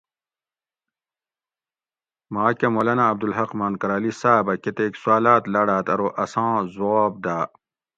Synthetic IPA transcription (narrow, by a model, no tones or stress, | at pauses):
mãːkɐmɐlɐnaːb̚d̪ulɦɐqmaːnkɐɾaːlisaːbɐket̪eːksuaːlaːt̪lɐɽaːt̪ɐɾoʔɐsãːzuaːb̚d̪aː